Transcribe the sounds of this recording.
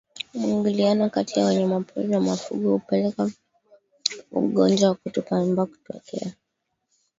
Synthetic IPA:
miŋɡulianɔkatiawaɲamapṵlinamafṵɡɔhupɛlɛka | ṵɠɔnd͡ʒwawakutupambaku̥tɔ̰kʰɛ̰a

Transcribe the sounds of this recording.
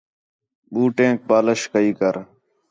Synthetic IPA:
ɓuːʈẽːk̚baːləʃkəiːkəɾ

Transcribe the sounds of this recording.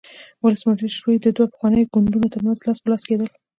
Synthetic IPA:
wʊləsməʂɾiʃwijd̪əd̪wapə̥xwɑnəjoɡʊnd̪unot̪əɾmanzlɑspəlɑsked̪əl

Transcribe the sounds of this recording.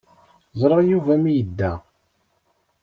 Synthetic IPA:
zˤɾˤɑjuvæmijəd̪ːæ

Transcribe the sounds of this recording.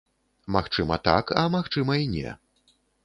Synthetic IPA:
maxt͡ʂɨmɐt̪a̰kɐ̰maxt͡ʂɨmɐinʲɛ̰

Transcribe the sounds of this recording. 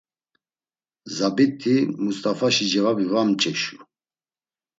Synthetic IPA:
zabit̪ʰːimust̪ʼafaʃid͡ʒɛvabivamt͡ʃʼɛʃu

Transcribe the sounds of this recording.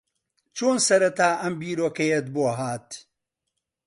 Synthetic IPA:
t͡ʃʰoːnsɐɾɐt̪aːʔɐmbiːɾoːkɐjɛt̪̚boːɦaːt̪

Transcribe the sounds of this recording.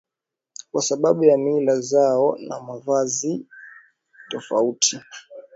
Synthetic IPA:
kwasaɓaɓujamilazaɔna̰mavazi | tɔfa̰utʰi

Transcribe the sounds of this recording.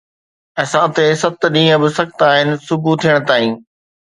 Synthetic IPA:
ɐːsãʊt̪esɐt̪ɗĩːə̃bɪsɐkt̪aːɦɪnɪ̆sʊbʱut̪ʰijəɽ̃t̪aːĩː

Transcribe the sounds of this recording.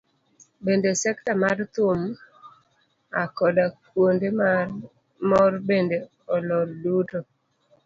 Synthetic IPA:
bendesɛktamart̪ʊm | akɔdakwonde | mɔrbende | ɔlɔrduto

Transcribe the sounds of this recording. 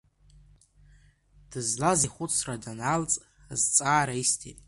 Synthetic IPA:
d̥ɨzlaziχʷʊt͡sʰradanalt͡sʼ | zt͡sʼaːɾaistʰḭtʼ

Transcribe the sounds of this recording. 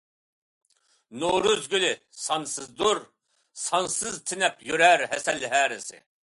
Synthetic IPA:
noɾøzɡʲylɪ | sɑnsɨzd̪oɾ | sɑnsɨzt̪ʰɪnɛpjøɾæɾɦɛsɛlːɦæːɾɪsɪ̰

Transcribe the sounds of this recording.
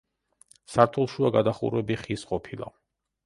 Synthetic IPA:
saɾt̪ʰulˠʃuaɡad̪aχṵɾɛbiχisqʼɔpʰilˠa̰

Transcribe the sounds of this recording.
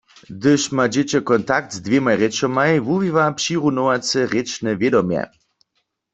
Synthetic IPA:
d̪ɪʃmad͡ʑet͡ɕɛkɔnt̪ak̚t̪zd̪vʲjemajʁɛt͡ʃɔmajvuvivapʃiʁunowat͡sɛʁet͡ʃnɛvjɛd̪ɔmjɛ̰

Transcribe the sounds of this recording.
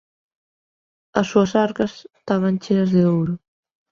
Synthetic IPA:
ɐsːuɐsaɾkɐst̪aβ̞ɐnʲt͡ʃenɐzðeowɾu

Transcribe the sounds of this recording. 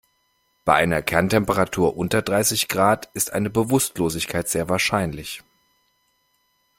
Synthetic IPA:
b̥aɪʔaɪnɐkʰɛɐntʰɛmpəʁatʰuːɐʔʊntɐdʁaɪsɪçɡ̥ʁaːtɪstʔa̰ɪnəbəvʊstloːzɪçkʰaɪtz̥eːɐvaːɐʃaɪnlɪç

